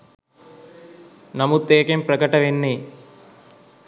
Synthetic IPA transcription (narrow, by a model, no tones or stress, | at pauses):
nɐmut̪ːeːkemprɐkɐʈɐʋenːe